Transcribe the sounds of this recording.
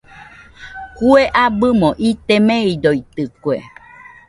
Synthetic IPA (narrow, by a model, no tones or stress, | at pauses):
kueʔabɨmõʔit̪emẽidoit̪ɨkue